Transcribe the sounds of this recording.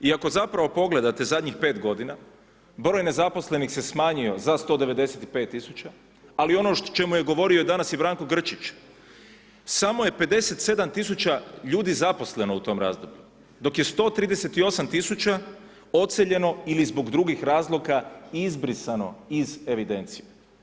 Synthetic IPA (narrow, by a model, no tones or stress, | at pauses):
iako̞zapɾaʋo̞po̞ɡle̞d̪at̪e̞zad̪ɲixpe̞ːt̪ɡo̞d̪ina | bɾojne̞zapo̞sle̞nixse̞smaːɲio̞zast̪o̞d̪e̞ʋe̞d̪e̞set̪ipe̞ːt̪ːisut͡ʃa | alio̞not͡ʃe̞mujeɡo̞ʋo̞ɾiod̪anasjebɾaːŋko̞ɡr̩t͡ʃit͡ɕ | samoje̞pe̞d̪e̞se̞t̪se̞d̪amt̪isut͡ʃaʎuːd̪izapo̞sle̞no̞ut̪o̞mɾa̰ːzd̪o̞bʎu | d̪o̞kje̞st̪o̞ːt̪ɾiːd̪ese̞t̪io̞samt̪isut͡ʃa | o̞t̪seʎe̞no̞ilizbo̞ɡd̪ɾuɡixɾaːzlˠo̞kaizbɾisano̞̰ize̞ʋid̪e̞nt̪sije